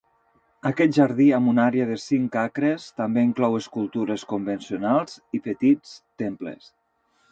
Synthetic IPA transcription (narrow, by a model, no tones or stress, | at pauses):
akɛt̪̚ʒaɾðiamunaɾeəðesiŋkakɾest̪ambeiŋklɔweskulˠt̪uɾeskumbensionalˠz̥ipət̪it͡st̪emplḛs